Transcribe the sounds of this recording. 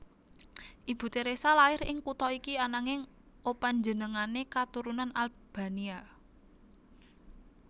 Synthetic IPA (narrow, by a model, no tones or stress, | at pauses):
ʔib̥ṳt̪eɾesalaɪɾɪŋkut̪ɔikianaŋɪŋ | opaɲd͡ʒənəŋanekat̪uɾunanal | b̥a̤nia